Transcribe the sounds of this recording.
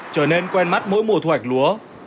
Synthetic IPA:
t͡ɕəː˧˩ne˧nkwɛ˧nma˦˥t̚mo̰˧˥jmu˨˩t̪ʰwa˨˩jk̚lu˨˦ə

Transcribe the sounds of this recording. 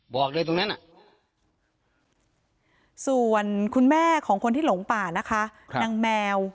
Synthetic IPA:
bɔː˨˩k̚lɤː˧jt̪o˧na˦˥nʔa˨˩ | su˨˩ənkʰu˧nmɛː˥˩kʰɔː˩˦ŋkʰo˧nt̪ʰiː˥lo˨˩˦ŋpaː˨˩na˦˥kʰa˦˥˦na˧ŋmɛː˧w

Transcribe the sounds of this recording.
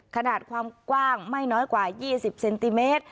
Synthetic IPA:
kʰa˧naː˨˩t̪̚kʰwaː˧mkwaː˥˩ŋma˥˩jnɔː˦˥jkwaː˨˩jiː˥˩si˨˩p̚se˧nt̪i˧meː˦˥t̪̚

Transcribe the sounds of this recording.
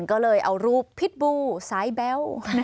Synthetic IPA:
nkɔː˥˩lɤː˧jʔa˧wɾuː˧˩pʰːi˦˥t̪̚buː˧saː˨˦jbɛ˦˥w

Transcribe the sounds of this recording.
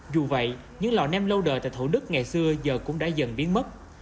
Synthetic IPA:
zu˨˩və̰˧˨j | ɲɨ̰˧˥ŋlɔ̰˨˩nɛ˧mlə˧wɗə̰ː˧˨˩t̪a̰ː˧˨jt̪ʰu˧˩ɗɨ˦˥k̚ŋa˨˩jsɨ˧əzəː˨˩kʊ̰˧˥ŋ͡mɗa̰ː˧˥zə̰˧˩nɓi˨˦ənmə˦˥t̚

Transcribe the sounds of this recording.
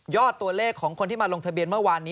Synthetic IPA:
jɔː˥˩t̪ːu˧ɐleː˥˩kʰːɔː˩˦ŋkʰo˧nt̪ʰiː˥˩maː˧lo˧ŋt̪ʰa˧bi˧ənmɯ˥˩ɐwaː˧nːiː˦˥

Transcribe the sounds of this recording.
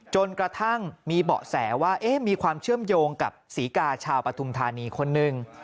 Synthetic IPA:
t͡ɕo˧nkɾa˧t̪ʰa˥˩ŋmiː˧bɔ̰˨˩ʔsɛ̰ː˩˦waː˥˩ʔeː˦˥miː˧kʰwaː˧mt͡ɕʰɯ˥˩əmjoː˧ŋka˨˩p̚siː˩˦kaː˧t͡ɕʰaː˧wpɾa˧t̪ʰu˧mt̪ʰaː˧niː˧kʰo˧nːɯ˨˩ŋ

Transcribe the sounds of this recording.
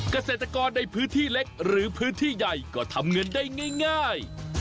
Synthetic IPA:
ka˧seː˨˩t̪ɾa˧kɔː˧nːa˧jpʰɯː˦˥nt̪ʰiː˥˩le˦˥k̚ɾɯː˩˦pʰɯː˦˥nt̪ʰiː˥˩ja˧˩jkɔː˥˩t̪ʰa˧mŋɤ˧ndaː˥˩jŋaː˥˩jŋaː˥˩j

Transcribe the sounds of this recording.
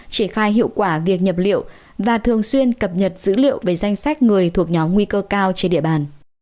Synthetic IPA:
t͡ɕi˧˩ənxaː˧jɦḭ˧əwkwaː˧˩vi˨˩ək̚ɲə˨˩p̚lḭ˧˨əw | vaː˨˩t̪ʰɨ˨˩əŋswi˧ənkə˨˩p̚ɲə˨˩t̚z̥ɨ̰˧˥lḭ˧˨əwve˨˩za˧jŋ̟sa˦˥k̟̚ŋɨ˨˩əjt̪ʰu˨˩ək̚ɲɔ˨˦mŋwi˧kəː˧kaː˧wt͡ɕe˧nɗḭ˧˨əɓaː˨˩n

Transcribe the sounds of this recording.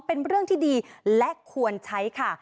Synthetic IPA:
pe˧nɾɯ˥˩ŋt̪ʰiː˥˩diː˧lɛ˦˥ʔkʰu˧ənt͡ɕʰa˦˥jkʰa˥˩

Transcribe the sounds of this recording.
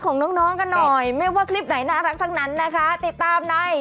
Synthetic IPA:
kʰɔː˩˦ŋnɔː˦˥ŋnɔː˦˥ŋka˧nːɔ˨˩jmaː˧˥˩waː˧˥˩kʰli˦˥˩p̚na˩˦jnaː˧˥˩ɾa˦˥k̚t̪ʰa˥˩ŋna˦˥nːa˦˥kʰa˦˥t̪i˨˩t̪ːaː˧mnɔ˨˩j

